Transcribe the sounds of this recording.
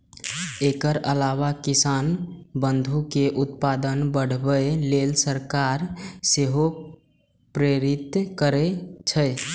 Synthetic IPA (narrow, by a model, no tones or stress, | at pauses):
ekəɾəlawakisanbənd̪ʱukeʔut̪̚pad̪ənbəɽ̤bəelelsəɾkaɾseɦo | pɾeɾit̪kəɾet͡ʃʰə